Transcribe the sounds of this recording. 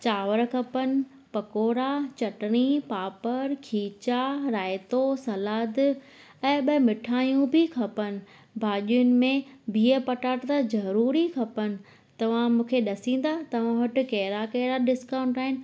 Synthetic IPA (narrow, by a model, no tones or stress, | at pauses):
t͡ɕaːʋəɾkʰɐpənɪ̆ | pɐkoːɾat͡ɕɐʈɽ̃ipaːpəɾkʰiːt͡ɕaɾaːɪt̪osɐlaːd̪ | ɛ̃ːɓɐmɪʈʰaːjũbʱɪkʰɐpənɪ̆ | bʱaːʄijʊnɪ̆mẽbʱiːəpɐʈaːʈt̪azɐɾuːɾikʰɐpənɪ̆ | t̪ɐʋ̤ãmũːkʰeɗɐsĩːn̆d̪at̪ɐʋ̤ãʋɐʈɪ̆kɐɦɾakɛːɾaɖɪskãːʊ̃ɳʈaːɦɪnɪ